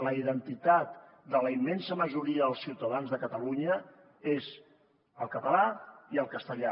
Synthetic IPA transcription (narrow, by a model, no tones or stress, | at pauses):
ləiðənt̪it̪at̪ | d̪ələimːensəməʒuɾiəðəlˠsiuwt̪əðanzðəkət̪əluɲə | ez | əlˠkət̪əlaiəlˠkəst̪əʎa